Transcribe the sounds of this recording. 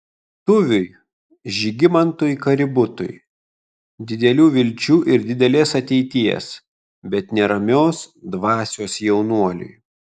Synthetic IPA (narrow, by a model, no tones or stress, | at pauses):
t̪ʊʋʲʊj | ʒʲɪɡʲɪmɐnt̪ʊjkɐɾʲɪbʊt̪ʊ̰j | d̪ʲɪd̪ʲɛlʲuːʋʲɪlʲt͡ʃʲuːʔɪɾd̪ʲɪd̪ʲɛlʲeːsɐt̪ʲɛɪt̪ʲiɛ̰s | bʲɛt̪nʲɛɾɐmʲoːsd̪ʋɑːsʲoːsjɛʊnuɔlʲʊ̰j